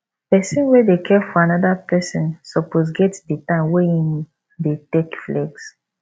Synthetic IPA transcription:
pɛsĩnwɛdekʰɛfɔanɔdapɛsɔ̃nsɔpozɡɛtditãɪ̃mwɛĩm | detekflɛɡs

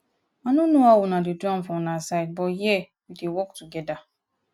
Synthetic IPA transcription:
anunoawʊnadiduãnfɔnasaɪd̚bɔjɛ | widewɔktuɡɛda

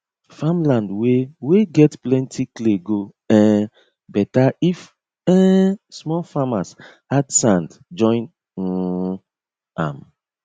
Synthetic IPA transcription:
fãmlãndweweɡɛtplɛ̃ntʰikleɡo | ɛ̃ | bɛtaif | ɛ̃smɔlfamas | adsãndd͡ʒɔ̃ɪ̃n̩ | ã̰m

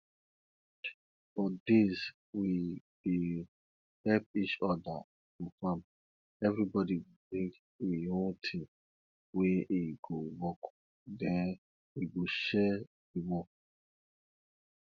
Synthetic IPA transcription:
fɔdez | wi | b̥i | hɛpit͡ʃɔda̰ | fufãm | ɛvɾibɔdiwibɾĩŋɡ | iɦõtʰĩ | weʔiɡowɔk | dɛ̃n | iɡoʃɛ | diwɔk

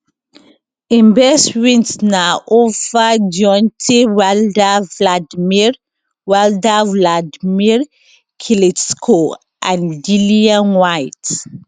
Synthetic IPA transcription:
ĩmbɛstmɛ̃ntnaovad͡ʒɔ̃ntʰiwɛldavladmiɹ | wɛldavladmiɹ | kʰileskʰo | ʔãndiliãnwajt

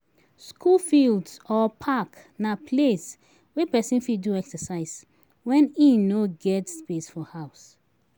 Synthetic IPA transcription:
skʰulfildsɔpʰak | napʰles | wɛpɛsĩnfiduɛksəsaɪs | wɛ̃nĩnoɡɛtspesfɔhaʊs

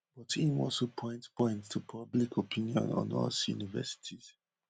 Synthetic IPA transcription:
b̥ɔtʰĩmɔlsopʰɔ̃ɪ̃ntpʰɔ̃ɪ̃nttʰupʰʌblikʰopʰĩniɔ̰̃nɔ̰̃nɔ̰lsjṵnivɛ̰si̥tʰiz̥

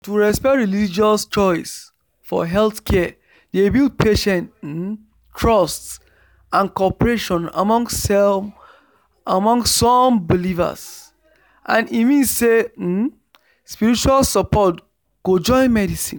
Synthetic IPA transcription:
tuɹɛspɛtɹilid͡ʒɔst͡ʃɔɪs | fɔ̰ɦɛlθkʰɛ | debild̚pʰeʃɛ̃nt̩ | tʰɹɔsts | ãnkɔpɹeʃɔ̃na̰mɔ̃ŋɡsɛ | amɔ̃ŋsːɔmbiliva̰s | ʔã̰nimĩnsse | spiɹit͡ʃualsɔpɔt | ɡ̥od͡ʒɔ̃ɪ̃nmɛdisĩn

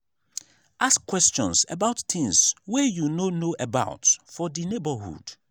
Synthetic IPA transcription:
ʔaskʰːwɛst͡ʃɔ̰̃nsɛ̰baʊttɪ̃ŋswɛjunonoʔɛbaʊtfɔdinebəhṵd̥

